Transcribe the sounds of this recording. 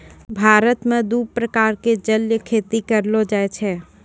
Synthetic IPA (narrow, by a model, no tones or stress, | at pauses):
bʱaːɾət̪mẽd̪uːbpɾəkaːɾked͡ʒəljəkʰeːt̪ikəɾlod͡ʒaːet͡ʃʰɛ